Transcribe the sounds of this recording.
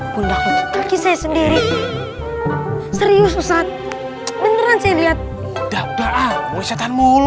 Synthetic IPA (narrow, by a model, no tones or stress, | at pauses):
kundaakisajasəndiɾi | səɾiʊs̬usat̪̚ | bənəɾansajaliat̪̚ | d̥audaʔawasat̪anmul